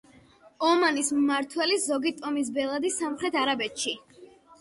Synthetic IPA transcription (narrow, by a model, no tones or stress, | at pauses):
ɔmanismːaɾt̪ʰwɛliszɔɡit̪ʼɔmis̬bɛlˠad̪isamχɾɛt̪ʰaɾabɛt̪ʃi